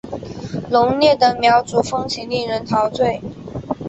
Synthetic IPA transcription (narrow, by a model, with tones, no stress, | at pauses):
lʊ˧˥ŋnjɛ˥˩d̪ə˨mjɑ˧˥ʊt͡su˨˩fɤ˥ŋt͡ɕʰi˧˨˦nli˥˩ŋɻə˧˥nt̪ʰɑ˧˥ʊt͡swe˥˩ɪ